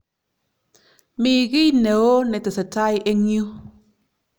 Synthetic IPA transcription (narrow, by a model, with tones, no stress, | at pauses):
mi˨ɣi˦ne˨o˦nɛ˨tɛ˨sə˨ta˦jʔe˦ɲ˦u˦